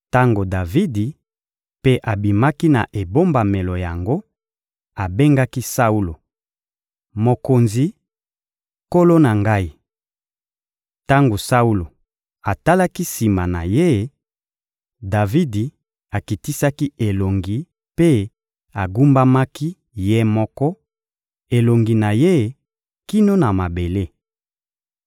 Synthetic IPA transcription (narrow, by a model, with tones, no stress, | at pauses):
ta˦ŋɡo˨da˨vi˦di˨ | pe˦ʔa˨bi˨ma˦ki˦na˨ʔe˨bo˦mba˨me˨lo˨ja˨ŋɡo˦ | a˨be˦ŋɡa˦ki˦sa˦u˦lo˨ | mo˨ko˨nzi˨ | ko˦lo˦na˨ŋɡa˦i˦ | ta˦ŋɡo˨sa˦u˦lo˨ | a˨ta˦la˦ki˦si˨ma˨na̰˨je˦ | da˨vi˦di˨ | a˨ki˨ti˦sa˦ki˦e˨lo˨ŋɡi˨ | pe˦ | a˨ɡu˦mba˦ma˦ki˦ | je˦mɔ˦kɔ˦ | e˨lo˨ŋɡi˨na˨je˦ | ki˦no˦na˨ma˨be˨le˦